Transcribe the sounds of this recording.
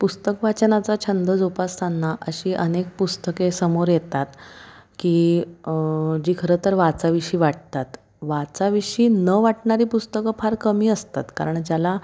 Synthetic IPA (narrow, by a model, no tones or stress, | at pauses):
pust̪əkʋat͡ɕnat͡sat͡ɕʰənd̪əd͡zupast̪ʰanːaʔəɕiːʔənek̚pust̪əkesəmoɾjet̪at̪kiː | d͡ʑiːkʰəɾət̪əɾʋat͡saʋiɕiːʋaʈ̚t̪at̪ | ʋat͡saʋiɕiːnəʋaʈɳaɾiːpust̪əkəpʰaɾkəmiːəst̪a̰t̪kaɾəɳd͡ʑjala